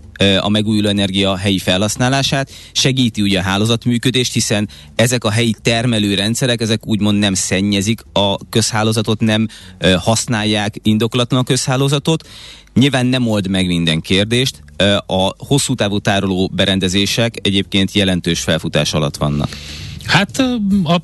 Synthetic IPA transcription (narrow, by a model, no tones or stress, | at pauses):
ɒ̰mɛɡuːjuloːɛnɛrɡijɒɦɛjifɛlɦɒsnaːlaːʃaːt̪ | ʃɛɡiːt̪iuːɟɛɒɦaːloːzɒt̪myːkød̪eːʃt̪hisɛn | ɛzɛkɒɦɛjit̪ɛrmɛløːɾɛnt̪sɛɾɛkɛzɛkuːɟmo̞nd̪nɛmsɛɲːɛzikɒkø̞shaːloːzɒt̪o̞t̪nɛmhɒsnaːjːaːkind̪o̞kolɒt̪lɒnɒkøshaːloːzɒt̪o̞t̪ | ɲilvaːnːɛmo̞ld̪mɛɡmind̪ɛŋkeːrd̪eːʃt̪ | ɒho̞sːuːt̪aːvut̪aːɾoloːbɛɾɛnd̪ɛzeːʃɛkɛɟeːp̚keːnt̪jɛlɛnt̪øːʃfɛlfut̪a̰ːʃɒlɒ̰t̪ʋɒ̰nːɒ̰khat̪ɒ